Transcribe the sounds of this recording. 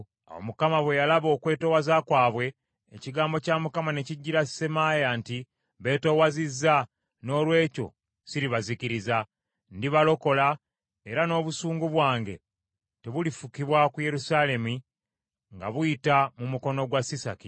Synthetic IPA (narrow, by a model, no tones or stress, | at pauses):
a̰wo̰mukamaβwe̞jalaβo̞ːkwe̞ːto̞wazakwaːβwe̞ː | ciɡaːmbo̞camukamane̞ciɟːiɾasemajanti | βe̞to̞wazizːa | no̞ːlwe̞ːco̞̰ | siɾiβaziciɾiza | ndiβalo̞ko̞la | eɾano̞ːβusuːŋɡuβwaːŋɡe̞̰ | te̞βulifukiβwakuje̞ɾusale̞mi | ŋɡa̰βujitamumuko̞no̞ɡwasisa̰ki